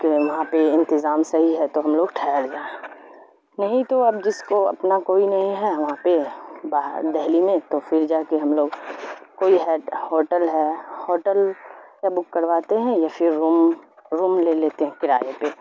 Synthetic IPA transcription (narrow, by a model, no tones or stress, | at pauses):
keʋɐɦãpeɪ̃nt̪ɪzaːmsɐɦiɦɛt̪oɦɐmloːɡʈʰɛːəɾd͡ʒaːẽ | nɐɦĩt̪oɐbd͡ʒɪskoɐ̰pnakoːinɐɦĩɦɛʋɐɦãpebaːd̪ɛɦlimẽt̪ofʰɪɾd͡ʒaːkeɦɐmloːɡkoːiɦɛːʈhoːʈəlɦɛhoːʈəlkebʊkːɐɾʋaːt̪eɦɛ̃jafʰɪɾumɾuːmleleːt̪eɦɛ̃kɪɾaːjepe